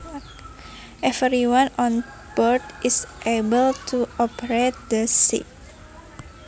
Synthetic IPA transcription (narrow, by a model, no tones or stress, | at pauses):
ʔɛvɾiwãnɔ̃n | b̥ɔɾd̪ʔisʔebəlt̪ʰuʔɔpəɾet̪̚d̪əsḭt̚